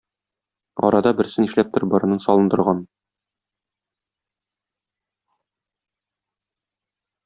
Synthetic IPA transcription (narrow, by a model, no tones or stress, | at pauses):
ɒ̰ɾɑd̪ɑbɘ̆ɾsɘniʃlæp̚t̪ɤɾbɒɾɤ̆nɤnsɒlˠɤ̆nd̪ɤ̆ɾʁɑn